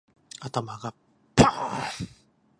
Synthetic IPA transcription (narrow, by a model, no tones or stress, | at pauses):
at̪amaɡa | pʰa